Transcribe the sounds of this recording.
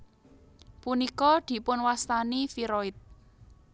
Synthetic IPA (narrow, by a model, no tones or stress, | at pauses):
punikɔd̪̥i̤pʊnwast̪anifiɾɔɪt̪̚